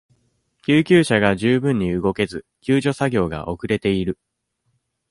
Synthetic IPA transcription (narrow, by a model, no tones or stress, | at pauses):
kʲɨːkʲɨːɕaɡaʑɨːbɯ̟̃ɲ̟ːiɯɡo̞ke̞zɨ | kʲɨːʑo̞saɡʲo̞ːɡa̰ʔo̞kɯ̟ɾe̞t̪e̞iɾɯ̟